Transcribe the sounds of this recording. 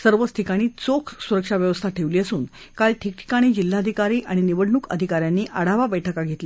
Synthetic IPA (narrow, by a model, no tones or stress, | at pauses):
səɾʋət͡st̪ʰikaɽ̃iːt͡sokʰsuɾəkʂaʋjəʋəst̪ʰaʈʰeʋliːəsuːnkalʈʰik̚ʈʰi̥kaɽ̃iːd͡ʑil̤ːad̪ʱikaɾiːʔaɽ̃iniʋəɽɳuːkə̰d̪ʱikaɾjanːiːʔəɽaʋabəjʈʰəkaɡʱet̪li